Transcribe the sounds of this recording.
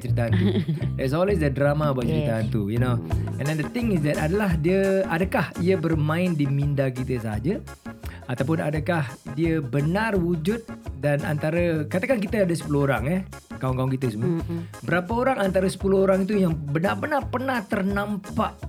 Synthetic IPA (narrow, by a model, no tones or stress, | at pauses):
t͡ʃəɾit̪̬aɦant̪uɛts̬ɔlwes̬dədɾamabat͡ʃəɾit̪aɦant̪ujunoɛ̰̃ndɛ̃ndət̪ɪ̃ŋɪs̬dɛt̪adalaɦdiəadakahiəbərmãɪndimĩndak̬it̪əsaɦa̰d͡ʒə | at̪awpʊnadəkahdiəbənarwud͡ʒʊt̪̚dana̰nt̪aɾəkat̪akank̬it̪əadəsə̥puluhoɾaŋɛ | kawuŋkaʊŋkit̪əsumbəɾapəoɾaŋant̪aɾəsə̥puluɦoɾaŋit̪̬ujaŋbənabənahpərnaht̪ərnãmpaʔ